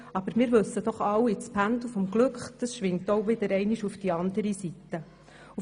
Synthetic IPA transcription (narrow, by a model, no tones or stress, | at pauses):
ɑb̥əɾmɪːɾʋɵsːəd̥̪ɔχɑwɪt͡spʰændl̩fɔmɡ̥lɵkχd̥ɑsʃʋɪŋtowʋɪdəɾɛɪniʃufd̥iɑnd̪əɾisit̪ːə | u